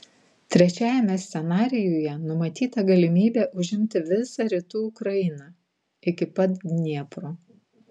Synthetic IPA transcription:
t̪ʲɾʲɛt͡ʃʲæːjɛmʲɛsʲt̪sʲɛnɑːɾʲɪjuːjɛnʊmɐt̪ʲiːt̪ɐɡɐlʲɪmʲiːbʲeːʔʊʒʲɪmʲt̪ʲɪʋʲɪsɑɾʲɪt̪uːʊkɾɐjɪnɑ | ɪkʲɪpɐt̪ʲnʲiɛpɾoː

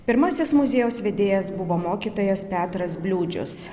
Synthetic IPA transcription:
pʲɪɾmɐsʲɪsmʊzʲeːjoːsʋʲɛd̪ʲeːjɛsbʊʋoːmoːkʲiːt̪oːjɛspʲæːt̪ɾɐsbʲlʲuːd͡ʒʲʊ̰s

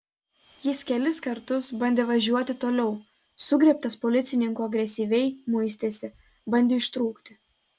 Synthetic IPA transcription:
jɪskʲɛlʲɪskɐɾt̪ʊsbɐnʲd̪ʲeːʋɐʒʲuɔt̪ʲɪt̪oːlʲɛʊ | sʊɡɾʲɛp̚t̪ɐspɔlʲɪt̪sʲɪnʲɪŋkuɐɡɾʲɛsʲiːʋʲɛɪmʊɪsʲt̪ʲesʲɪ | bɐnʲd̪ʲeɪʃt̪ɾuːkt̪ʲɪ

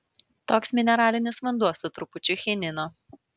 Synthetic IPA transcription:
t̪oːksmʲɪnʲɛɾɑːlʲɪnʲɪsʋɐnd̪uɔsʊt̪ɾʊpʊt͡ʃʲʊxʲɛnʲɪnoː

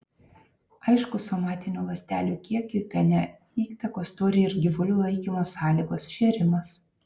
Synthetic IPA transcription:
ɐɪʃkʊsɔmɑːt̪ʲɪnʲuːlˠɐsʲt̪ʲæːlʲuːkʲiɛkʲupʲɛnʲɛ | iːkt̪ɐkoːst̪oːɾʲeɪɾɡʲɪʋʊlʲuːlˠɐɪkʲimoːsɑːlʲiːɡoːsʃʲeːɾʲɪmɐs

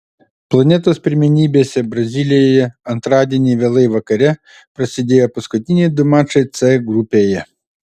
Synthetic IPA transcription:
plˠɐnʲɛt̪ɐspʲɾʲɪmʲɛnʲibʲesʲɐbɾɐzʲilʲɪjejɛɐnt̪ɾɑd̪ʲɪnʲiʋʲɛlˠɪjʋɐkɐɾʲɛ | pɾɐsʲɪd̪ʲejɐpɔskɔt̪ʲinʲejd̪ʊmɑt͡ʃɐjt̪sɛɡɾupʲejɛ

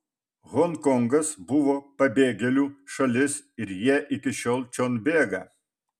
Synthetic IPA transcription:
ɣɔŋkɔŋɡɐsbʊʋoːpɐbʲeːɡʲɛlʲuːʃɐlʲɪsɪɾjiɛʔɪkʲɪʃʲoːlˠt͡ʃʲonʲbʲeːɡɐ̰

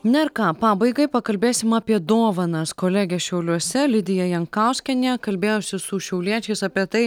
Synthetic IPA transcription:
nʲɛɪɾkɑːpɑːbɐɪɡɐɪpɐkɐlʲbʲeːsʲɪmɑːpʲiɛd̪oːʋɐnɐskoːlʲæːɡʲɛʃʲɛʊlʲuɔsʲɛlʲɪd̪ʲɪjɛjɛŋkɑʊsʲkʲɛnʲɛkɐlʲbʲeːjoːsʲɪsʊʃʲɛʊlʲiɛt͡ʃʲɛɪsɑpʲiɛt̪ɐɪ

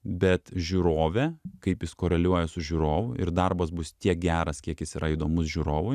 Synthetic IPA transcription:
bʲɛt̪ʒʲuːɾoːʋʲɛkɐɪpjɪskoːɾʲɛlʲuɔjɛsʊʒʲuːɾoːʋʊʔɪ̰ɾd̪ɐrbɐsbʊst̪ʲiɛk̚ɡʲæːɾɐskʲiɛkjɪsiːɾɐid̪oːmʊsʒʲuːɾoːʋʊɪ

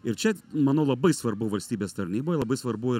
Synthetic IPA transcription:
ɪɾt͡ʃʲɛmɑːnoːlˠɐbɐɪsʋɐɾbʊʋɐlʲsʲt̪ʲiːbʲeːst̪ɐɾʲnʲiːboːjlˠɐbɐɪsʋɐɾbʊɪ

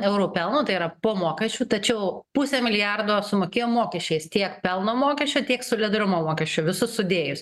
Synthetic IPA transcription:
ɛʊɾuːpʲɛlˠnoːt̪ɐɪiɾɐpoːmoːkʲɛsʲt͡ʃʲuːt̪ɐt͡ʃʲɛʊpʊsʲɛmʲɪlʲɪjærd̪oːsʊmoːkʲeːjoːmoːkʲɛʃʲt͡ʃʲɛɪst̪ʲiɛkpʲɛlˠnoːmoːkʲɛʃʲt͡ʃʲoːt̪ʲiɛksʊlʲɪd̪ɾʲʊmoːmoːkʲɛʃʲt͡ʃʲoːʋʲɪsʊsʊd̪ʲeːjʊs

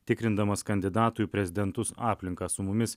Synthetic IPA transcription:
t̪ʲɪkɾʲɪnd̪ɐmɐskɐnʲd̪ʲɪd̪ɑːt̪ʊpʲɾʲɛzʲɪd̪ʲɛnt̪ʊsɑːpʲlʲɪŋkɑsʊmʊmʲɪs

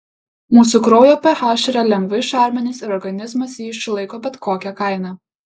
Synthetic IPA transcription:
muːsuˑkɾoːjopʲɛhɑːʃʲɪɾʲɛlʲɛŋɡʋɐɪʃɑˑɾʲmʲɛnʲɪsɪɾɔɾɡɐnʲɪzmɐsjiːɪʃʲsʲɪlˠɐɪkoːbʲɛt̪koːkʲɛkɐˑɪnɑ

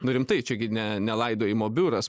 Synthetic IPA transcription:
nʊɾʲɪmt̪ɐɪt͡ʃʲɛɡʲɪnʲɛnʲɛlˠɐɪd̪oːɪmoːbʲuːɾɐs

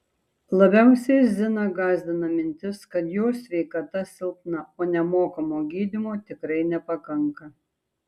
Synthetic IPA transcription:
lˠɐbʲɛʊsʲɛzʲɪnɐɡɑːzʲd̪ʲɪnɐmʲɪnʲt̪ʲɪskɐt̪joːsʲʋʲɛɪkɐt̪ɐsʲɪlˠk̪nɐoːnʲɛmoːkɐmoːɡʲiːd̪ʲɪmoːt̪ʲɪkɾɐɪnʲɛpɐkɐŋkɐ

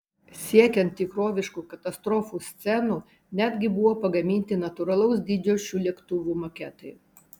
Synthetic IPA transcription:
sʲiɛkʲɛnt̪ːʲɪkɾoːʋʲɪʃkuːkɐt̪ɐst̪ɾɔːfuːsʲt̪sʲɛnuː | nʲæd̪ʲɡʲɪbʊʋoːpɐɡɐmʲiːnʲt̪ʲɪnɐt̪ʊɾɐlˠɐʊs̬d̪ʲiːd͡ʒʲoʃʲuːlʲiɛkt̪ʊʋʲuːmoːkʲɛːt̪ɐɪ

